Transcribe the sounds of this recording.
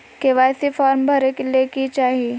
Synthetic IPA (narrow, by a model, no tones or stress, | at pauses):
keʋaːjsifaːɾmbʱɐɾekelekit͡ʃaːɦieː